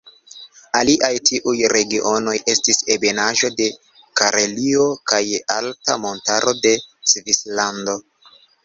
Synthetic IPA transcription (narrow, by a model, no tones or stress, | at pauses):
aliʔajtʰiʔujɾe̞ɡiʔo̞no̞jʔe̞stise̞be̞naʒo̞de̞ | kaɾʔelio̞kajaltamo̞ntaɾʔo̞de̞svislando̞